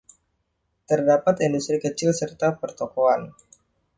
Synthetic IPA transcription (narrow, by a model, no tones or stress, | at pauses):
t̪ərdapat̪indust̪ɾikət͡ʃɪlsərt̪apərt̪okoan